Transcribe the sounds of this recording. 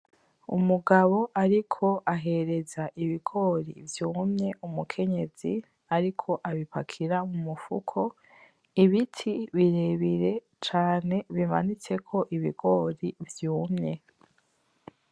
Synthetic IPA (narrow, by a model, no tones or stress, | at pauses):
ṵmuɡaβo̞ʔaɾikʰo̞ʔaɦe̞ɾe̞zaʔiβiɡ̥o̞ːɾḭvjuːmɲe̞ʔumukʰe̞ɲe̞z̥i | aɾikʰo̞ʔaβipakʰiɾamumufṵkʰo̞ | iβitʰiβiɾeβiɾe̞ | t͡ʃaːne̞βima̰nit͡se̞kʰo̞ʔiβiɡo̞ɾivjuːmɲe̞